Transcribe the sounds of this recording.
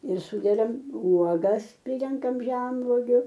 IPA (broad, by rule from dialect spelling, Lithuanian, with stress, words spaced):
ɪr ˈsuːdʲɛdɐm ˈuɔɡɐs ˈpʲrʲɪrʲɛŋkɐm ˈʒʲɛnʋoːɡʲʊ